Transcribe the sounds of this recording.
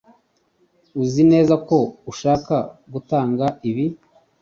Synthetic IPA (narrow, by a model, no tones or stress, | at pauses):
uzine̞ːzako̞uʃaːkaɡutaːŋɡaiβi